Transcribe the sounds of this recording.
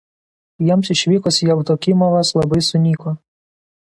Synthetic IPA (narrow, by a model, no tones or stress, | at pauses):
jiɛmsɪʃʲʋʲiːkʊsʲjɛʊt̪okʲɪmoʋɐslˠɐbɐɪsʊnʲiːkoː